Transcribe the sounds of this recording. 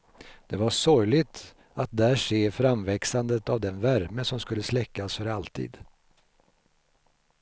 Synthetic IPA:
d̪̥ɛvaʂɔɾjlɪɡt̪ | at̪̚d̪æʂeːfɾamvɛksand̪ət̪avd̪ɛnvæɾməsɔmskɵlːəslɛkːasfœɾalt̪ʰḭːd̪̥

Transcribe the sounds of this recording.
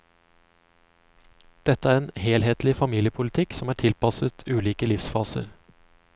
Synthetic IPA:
d̪̥ɛt̪əæːɾeːnheːlheːt̪lɪfɑmiːljəpʰʊlɪt̪ʰɪksɔmæːʈʰɪlpɑsət̪ʰʉːliːkəlɪfsfɑːsə̰ɾ

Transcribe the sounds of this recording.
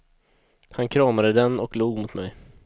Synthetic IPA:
hankʰɾɑːmad̪əd̪ɛnɔkluːɡmʊt̪mɛ̰j

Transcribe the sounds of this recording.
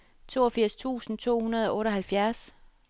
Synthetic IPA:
t͡sʰo̝̰ːɒfiɐ̰st͡sʰṵːsn̩t͡sʰo̝̰ːhunɐð̞̩ˠɒ̽ʔɔ̽ːɾɒ̽ɦælfjæɐs

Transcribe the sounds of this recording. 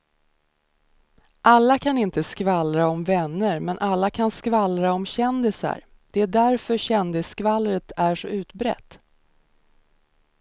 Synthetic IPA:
ʔalːakʰanɪnt̪əskvalɾaɔmvɛnːəɾmɛnʔalːakʰanskvalɾaɔmɕɛnd̪ɪsa̰ɾ | d̪̥ɛæɖæɾfœɕɛnd̪ɪskvalɾət̪æʂɔʉ̟ːt̪bɾɛ̰t̪ː

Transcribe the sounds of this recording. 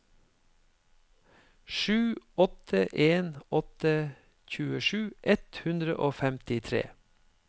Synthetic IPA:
ʃʉːɔt̪ʰəʔeːnɔt̪ə | çʉːəʃʉːʔɛt̪hʉnd̪ɾə̰ʔoːfɛmt̪ɪt̪ʰɾḛː

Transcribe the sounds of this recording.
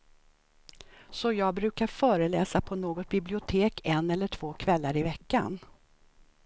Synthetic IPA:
sɔjɑːɡ̚bɾʉ̟ːkaɾfœːɾəlɛːsapʰɔnoːɡɔt̪̚bɪblɪʊt̪ʰeːkʰɛnɛlːəʈʰv̥oːkʰvɛlːaɾɪvɛkːa̰n

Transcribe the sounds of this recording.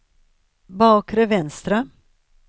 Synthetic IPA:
bɑːkɾɛvɛnst̪ɾa

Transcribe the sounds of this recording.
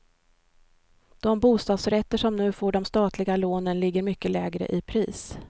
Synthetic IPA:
d̪̥ɔmbuːst̪ɑːd̪sɾɛt̪ːəʂɔmnʉ̟ːfoːɖɔmst̪ɑːt̪ʰlɪɡaloːnənlɪɡːəɾmʏkːəlɛːɡɾə̰ʔɪpʰɾiːs

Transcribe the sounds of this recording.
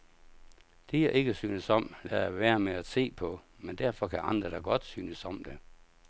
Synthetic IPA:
d̥eæʔe̝ɡ̥əsyːnəsɒ̽m̰lææʋæːɐmeæ̥se̝̰ːpʰɒ̽ | mend̥æɐfɒ̽kʰæʔɑ̈nd̥ʁɐd̥ɑɡ̥ɒ̽d̥syːnəsɒ̽md̥e̝

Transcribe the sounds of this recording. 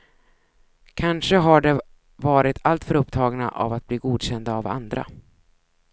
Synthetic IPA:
kʰanʂəɦaɖɛ | vɑːɾɪt̪ʰalt̪fœɾɵpt̪ʰɑːɡna̰ʔa̰vat̪̚bliːɡuːd̪ɕɛnd̪aːva̰nd̪ɾa̰

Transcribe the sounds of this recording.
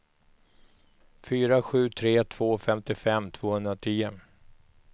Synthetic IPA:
fyːɾaɧʉ̟ːt̪ʰɾeːt̪ʰv̥oːfɛmt̪ɪfɛmːt̪ʰv̥oːhɵnd̪ɾat̪ʰiːʊ

